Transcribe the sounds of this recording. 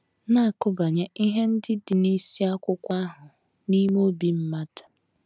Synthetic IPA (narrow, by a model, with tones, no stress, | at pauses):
na˦a˨kʊ˦ba˨ɲe˦i˦ɦe˦n̩˦dɪ˦dɪ˨ni˦si˦a˦kʷʊ˦kʷa˦ɦʊ˨ | ni˦mo˦bi˦m̩˦ma˦tḁ˨